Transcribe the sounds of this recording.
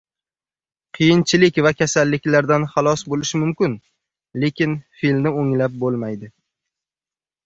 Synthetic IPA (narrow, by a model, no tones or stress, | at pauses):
qʰɨjɪnt͡ʃʰɪlɪkʲvakʲasalːɪkʲlaɾd̪anχɑlˠɒsbolɪʃɪmʊmkʲɪn | le̞kʲɪnfilmnɪoŋlap̚bolˠmajd̪ɪ